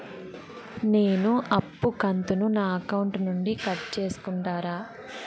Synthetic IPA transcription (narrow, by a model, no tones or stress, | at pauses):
neːnuʔɐpːukɐnt̪ununaːɐkɐwuɳʈnuɳɖikɐʈt͡ʃe̞ːsu̥kuɳʈaːɾaː